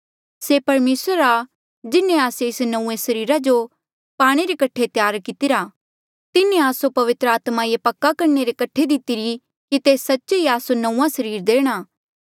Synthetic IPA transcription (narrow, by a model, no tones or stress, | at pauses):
sepɐɾmeːsɾa | d͡ʒɪnːẽaːseɪsnɐũːẽsɐɾiːɾad͡ʒo | paːɽ̃eɾekɐʈʰet̪jaːɾkɪt̪ɪɾaː | t̪ɪnẽaːsopɐʋɪt̪ɾəaːt̪majepɐkːakɐɾneɾekɐʈʰːed̪ɪt̪ɪɾi | kit̪eːsɐtːʃiaːsonɐũːãsɐɾiːɾd̪eːɽ̃aː